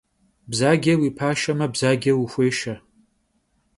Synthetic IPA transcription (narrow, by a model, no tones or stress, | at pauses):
bzaɡʲɐwipʰaʃɐmɐbzaːɡʲɐwixʷeːʃa